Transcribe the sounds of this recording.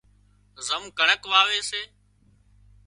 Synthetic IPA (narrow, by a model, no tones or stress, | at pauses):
zəmkəɳəkʋaːʋeːseː